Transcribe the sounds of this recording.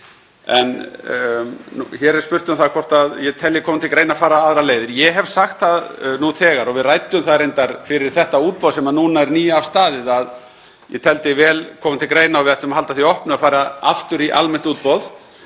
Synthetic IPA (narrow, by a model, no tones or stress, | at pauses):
ɛn | ṵçɛɾɛɾspʏr̥t̪ʏmθaðkʰɔr̥t̪aðjɛt̪ʰɛljɛkʰɔːmʏnt̪ɪlkɾeːjnafaːɾaaðɾaleːjðɪɾjɛɦɛv̥saxt̪θaðnuθɛːɣaɾɔɣvɪðrajt̪ʏmθaðɾejnt̪aɾ̥fɪɾɪɾ̥θɛht̪auːt̪̚pɔðsɛmanuːnaɛɾniːjaavst̪aːðɪðað | jɛt̪ʰɛlt̪ɪvɛːlkʰɔːmʏnt̪ʰɪlkɾeːjnaawvɪðɛht̪ʏmaɦalt̪aθiɔhpnʏafaːjɾaa̰ft̪ʏɾiʔa̰lmɛn̥t̪uːt̪̚pɔð